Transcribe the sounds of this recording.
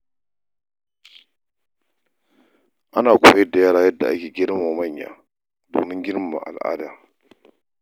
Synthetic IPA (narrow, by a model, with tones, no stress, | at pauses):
ʔa˦naː˨kʷo̰˨˦je˦dːa˨jaː˦ɾa˨ja˦dːa˨ʔa˦kʲeː˨ɡʲi˦ɾma˨ma˦˨ɲːa̰˨ | do̰ː˨mi˦ŋɡʲi˦ɾm˦˨ma̰˨ʔa̰˨lʔa̰ː˦da˦